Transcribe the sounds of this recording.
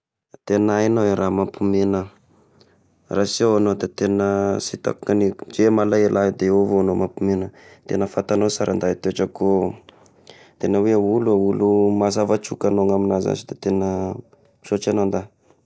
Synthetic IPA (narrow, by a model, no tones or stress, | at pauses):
t̪enajnoeɾʔamapumenə | rasiawanod̪et̪enəsit̪a̰ku̥kanid͡ʒemalajelʔad̪eovoanomapumenət̪enəfat̪anosaɾʔa̰nd̪ait̪eaʈ͡ʂəko | t̪enəweauluaulumazavat͡ʃukanoŋaminaza̰t͡ʃid̪et̪enə | iʃot͡ʃanond̪a